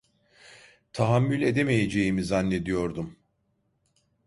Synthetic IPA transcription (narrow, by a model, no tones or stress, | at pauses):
t̪ʰaɦamːylʲe̞d̪e̞me̞je̞d͡ʒe̞jimizanːe̞d̪ijo̞ɾd̪um